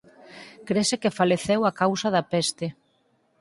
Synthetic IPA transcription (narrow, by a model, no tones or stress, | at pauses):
kɾesekefaleθewakawsaðapɛst̪e